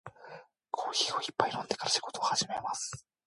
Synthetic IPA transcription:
kʰo̞ːçio̞ipːainond̪e̞kaɾaɕi̥ɡo̞t̪oahaʑime̞masɨ̥

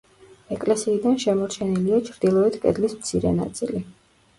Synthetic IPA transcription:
ɛkʼlɛsiːd̪anʃɛmɔɾt͡ʃʰɛniliat͡ʃʰɾd̪ilˠɔɛt̪ʰkʼɛ̰d̪lismt̪sʰiɾɛ̰na̰t̪sʼili

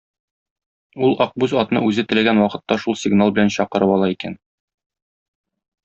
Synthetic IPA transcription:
ulˠɒq̚bʉzɒt̪nɤ̰ʔʉzɘt̪ɘ̆læɡænwɒqɤ̆t̪ːɑʃulˠsʲɪɡnalˠbɘ̆lænɕɒqɤ̆ɾɤpɒlˠɑikæ̰n

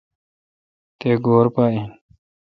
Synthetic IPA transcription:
t̪eːɡoːɾpaːĩːn

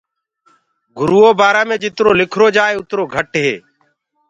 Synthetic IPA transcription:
ɡʱʊɾuːoːbaːɾaːmẽːd͡ʒɪt̪ɾoːlɪkʰɾoːd͡ʒaːeːʊt̪ɾoːɡʱəʈɦḛː

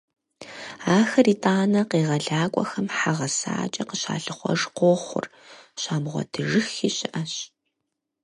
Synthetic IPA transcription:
aːxɐriːtʼaːnɐqeːʁɐɮaːkʷʼɔxɐmħaʁɐsa̰ːt͡ʃʼɐqəɕa̰ːɬɨχʷɔ̰ʐqoːχʷʊ̰r | ʃaːmʁʷɔ̰dʰɨʐɨxiːɕɪʔɐɕ

